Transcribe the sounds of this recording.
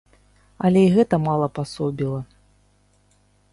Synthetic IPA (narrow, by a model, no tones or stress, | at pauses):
ɐlʲɛiɣɛt̪ɐmalˠɐpasɔbʲilˠɐ